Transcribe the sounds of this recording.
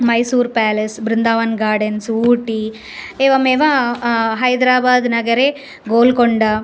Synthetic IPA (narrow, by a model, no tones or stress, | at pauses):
mɐjsuːɾpaːlesbɾɪnd̪aːʋɐnɡaːɖɐnsuːʈi | eːʋɐmeːʋɐɦɐjd̪ɾaːbaːd̪nɐɡɐɾe | ɡoːlkoɳɖɐ